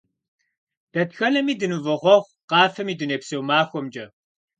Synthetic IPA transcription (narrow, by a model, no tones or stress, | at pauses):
d̥ɐtxɐnɐmiːdɨnuvɐʁʷɔʁʷqɑːfɐmiːdɨneːpsɐwmaːxʷɔmd͡ʒɐ